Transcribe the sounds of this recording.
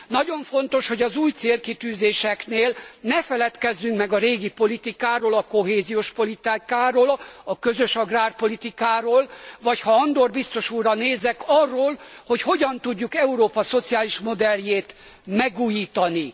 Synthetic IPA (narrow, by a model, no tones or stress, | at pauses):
nɒɟo̞ɱfo̞nt̪o̞ʃho̞ɟɒzuːjt̪seːlkit̪yːzeːʃɛkneːlnɛfɛlɛt̪kɛzːyŋkmɛɡɒɾeːɡipo̞lit̪ikaːɾoːlɒko̞ɦeːzijoːʃpo̞lit̪ikaːɾoːlɒkø̞zøʃɒɡraːrpo̞lit̪ikaːɾoːlvɒchɒɒnd̪orbist̪o̞ʃuːrːɒneːzɛkɒrːoːlho̞cho̞ɟɒnt̪uɟːukɛuɾoːpɒso̞t̪sijaːliʃmo̞d̪ɛljeːt̪ | mɛɡuːjiːt̪ɒni